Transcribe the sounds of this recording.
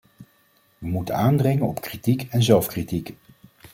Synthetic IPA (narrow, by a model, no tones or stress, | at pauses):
ʋəmutənaːndrɪŋənɔpkritikɛnzɛlˠfkritik